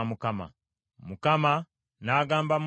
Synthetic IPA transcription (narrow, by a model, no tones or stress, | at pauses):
mukama̰ | mukama | naːɡaːmbam